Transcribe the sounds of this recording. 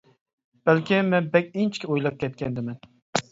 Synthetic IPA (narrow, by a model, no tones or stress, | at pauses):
b̥ælkʲɪmɛnbɛkʲɪnt͡ʃʰkʲɪojlˠɑp̚kʲʰɛt̪̚kʲʰɛnd̪ɪmɛn